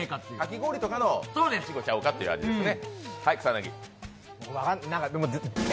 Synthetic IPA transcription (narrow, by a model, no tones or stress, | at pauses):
kat̪ːkakʲiɡo̞ːɾʲit̪o̞kano̞soːd̪esɕiɡo̞t͡ɕaɯ̟kat̪ːe̞jɯ̰a̰d͡ʑid̪esɨnehaikɯ̥sanaɡʲḭ | βakannãŋkad̪emo